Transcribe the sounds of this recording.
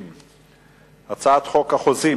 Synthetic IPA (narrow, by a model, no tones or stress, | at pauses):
m | at͡saat̪χokhaχozi